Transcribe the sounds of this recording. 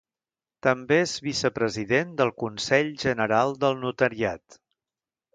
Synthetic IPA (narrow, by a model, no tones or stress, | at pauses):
t̪əmbeezβisəpɾəziðend̪əlˠkunsɛʎʒənəɾalˠd̪əlˠnut̪əɾiat̪